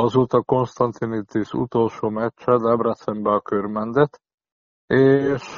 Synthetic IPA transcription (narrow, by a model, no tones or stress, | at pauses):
ɒzoːt̪ɒko̞nst̪ɒnt̪init̪ːiʃṵt̪o̞lʃoːmɛt͡ʃt͡ʃːɛd̪ɛbrɛt̪sɛmbɛɒkørmɛnd̪ɛt̪ː | eːʃ